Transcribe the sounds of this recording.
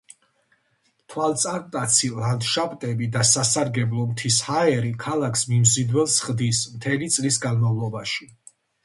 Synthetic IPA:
t̪ʰwalˠt̪sʼaɾt̪ʼat̪sʰilˠand̪ʃapʼt̪ʼɛbid̪asasaɾɡɛblˠɔmt̪ʰishaɛɾikʰalˠakʰsmimzid̪wɛlˠsχd̪ismt̪ʰɛlit̪sʼlisɡanmavlˠɔbaʃi

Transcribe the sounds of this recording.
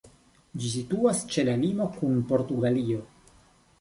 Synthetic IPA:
d͡ʒis̬ituast͡ʃe̞lalimo̞kunpo̞ɾtuɡalio̞

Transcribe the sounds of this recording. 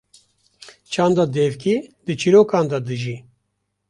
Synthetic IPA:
t͡ʃʰaːnd̪ad̪eːvkid̪ɨt͡ʃʰiɾoːkaːnd̪ad̪ɨʒiː

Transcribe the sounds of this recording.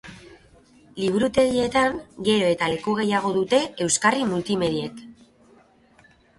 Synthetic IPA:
liβ̞uɾut̪e̞ɣie̞t̪aŋɡe̞ɾo̞e̞t̪ale̞kuɣ̞e̞jaɣ̞o̞ðut̪e̞e̞wskarimult̪ime̞ðie̞k

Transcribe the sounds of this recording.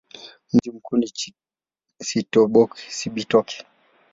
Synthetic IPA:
m̩d͡ʒim̩kuni | sitɔɓɔki̥siɓitɔkʰɛ̥

